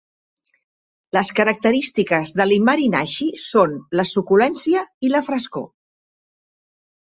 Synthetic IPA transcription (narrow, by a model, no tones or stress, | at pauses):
ləskəɾək̚t̪əɾist̪ikəzðəlimːəɾina̰ʃisonləsukulɛnsiəiləfɾəsko̰